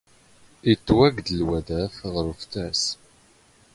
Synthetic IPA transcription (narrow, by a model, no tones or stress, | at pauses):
it͡sːwæɡd̪əlwæðæfʁəɾft̪æs